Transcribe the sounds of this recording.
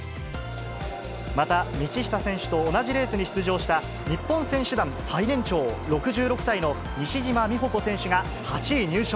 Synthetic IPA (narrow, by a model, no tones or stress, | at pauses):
mat̪amʲit͡ɕiɕi̥t̪asẽ̞ɰ̃ɕɨ̥t̪o̞ːnaʑiɾe̞ːsɨɲ̟iɕɨ̥t͡sɨʑo̞ːɕi̥t̪a | ɲ̟ipːõɰ̃sẽ̞ɰ̃ɕɨd̪ãñsainẽ̞ɲt͡ɕo̞ːɾo̞kɯ̟ʑɨːɾo̞kɯ̟̥saino̞ | ɲʲiɕiʑimamʲiɦo̞ko̞sẽ̞ɰ̃ɕɨɡa | hat͡ɕiːɲ̟ɨːɕo